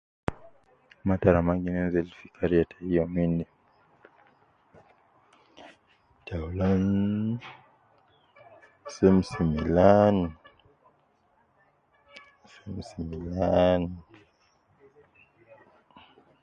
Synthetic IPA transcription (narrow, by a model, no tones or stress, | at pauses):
mataɾamaŋɡinɛnzɛlifikʰaɾiatʰaiɔmindi | tʰaulan | sɛm̩similan | sɛmsimilan